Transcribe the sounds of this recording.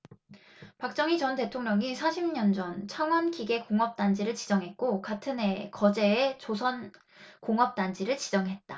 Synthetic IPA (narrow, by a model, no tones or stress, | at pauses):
pak̚t͡ɕ͈ʌŋit͡ɕʌnte̞tʰoŋɲʌŋisʰaɕʰimɲʌnd͡ʑʌnt͡ɕʰaŋwʌnkiɡe̞koŋʌp̚t͈and͡ʑiɾɯɭt͡ɕid͡ʑʌŋɦe̞t̚k͈okatʰɯne̞kʌd͡ʑe̞ːt͡ɕosʰʌn | koŋʌp̚t͈and͡ʑiɾɯɭt͡ɕid͡ʑʌŋɦe̞t̚t͈a